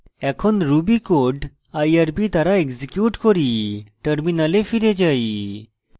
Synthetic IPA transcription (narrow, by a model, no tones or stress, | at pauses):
ɛkʰɔnɾubikoɖ | ajaɾpit̪aɾaeɡzikjuʈkɔɾiʈəɾminalefiɾed͡ʑai